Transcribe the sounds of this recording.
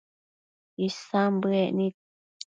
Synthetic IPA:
isãmbɨɛʔnĩ

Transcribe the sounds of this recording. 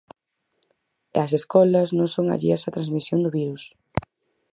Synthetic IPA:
ɐseskɔlɐznõŋsoŋa̰ʎḭɐsat̪ɾanzmisjond̪ʊβiɾus

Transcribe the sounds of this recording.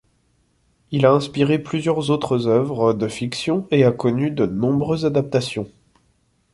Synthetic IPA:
ilaɛ̃spiʁeplyzjœʁzot̪χəzœvʁəd̪əfiksjɔ̃eakɔnyd̪ənɔ̃bʁøzad̪ap̚t̪asjɔ̃

